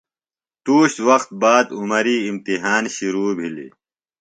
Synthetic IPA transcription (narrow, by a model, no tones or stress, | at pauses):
t̪uːɕt̪wɐqt̪̚baːd̪umɐɾiːmt̪iɦaːnɕiɾuːbʱilḭ